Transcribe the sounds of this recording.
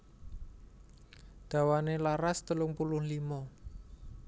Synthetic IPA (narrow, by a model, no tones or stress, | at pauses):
d̪̥a̤wanelaɾast̪əlʊŋpulʊhlimɔ